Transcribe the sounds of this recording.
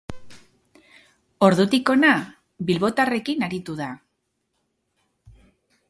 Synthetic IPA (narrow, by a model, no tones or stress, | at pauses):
o̞ɾðut̪iko̞na | bilβo̞t̪are̞kinaɾit̪uða